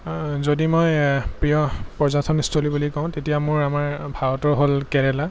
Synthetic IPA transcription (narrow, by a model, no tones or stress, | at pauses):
zodimojpɹijɔpɔɹzatʰɔnistʰolibulikɔʊ̃tetijamʊɹamaɹbʱaɹɔtɔɹɦolkɛɹɛla